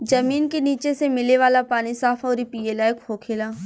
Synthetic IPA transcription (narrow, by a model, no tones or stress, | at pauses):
d͡ʒɐmiːnkeniːt͡ʃesemɪleʋaːlapaːnisaːfʰɔːɾipiːeːlaːjkhoːkʰeːlaː